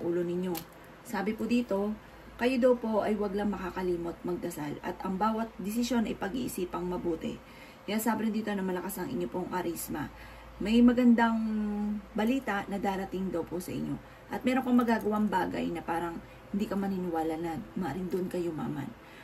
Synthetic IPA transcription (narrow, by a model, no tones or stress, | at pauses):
ʔuːlo̞nɪɲo̞ | saːbɪpod̪iːt̪o̞ | kɐjod̪ɐwpo̞ʔɐjwɐɡlaŋmɐkaːkɐliːmot̪̚mɐɡ̚d̪ɐsalɐ̰t̪ʔɐŋbaːwɐt̪̚d̪ɪsɪsjo̞nɐjpɐɡḭːʔɪsiːpɐŋmɐbuːt̪ɛ̰ | kɐjasaːbɾɪnd̪iːt̪o̞nɐmɐlɐkasɐŋʔɪ̰ɲːo̞po̞ŋkɐɾismɐ̰ | mɐjmɐɡɐnd̪ɐŋ | bɐliːt̪ɐʔnɐd̪aːɾɐt̪iŋd̪ɐwposɐʔɪ̰ɲːo̞̰ | ʔɐt̪̚mɛːɾoŋkɐmɐɡaːɡɐwaŋbaːɡɐ̰jnɐpaːɾɐŋ | hɪnd̪iːkɐmɐninɪwaːlɐnɐmaɾɪnd̪oʔnkɐjo̞ma̰ːma̰n